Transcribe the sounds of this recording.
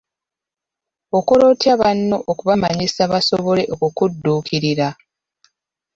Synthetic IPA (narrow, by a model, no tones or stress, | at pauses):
o̞koɾo̞tjaβanːo̞ʔokuβamaɲisaβasoβo̞le̞ʔokukudːuːkʰiɾiɾa